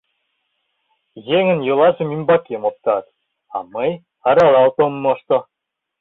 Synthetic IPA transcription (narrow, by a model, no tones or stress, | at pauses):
jeŋɘ̆njɯlˠɑʒɤ̆mʲimbɑkʲemop̚t̪ɑt̪ | ɑ̰məj | ɑɾɑlˠɑlt̪omːoʃt̪ŏ